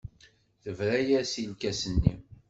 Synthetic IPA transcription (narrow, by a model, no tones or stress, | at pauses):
θəvɾæjæsilkæsənːḭ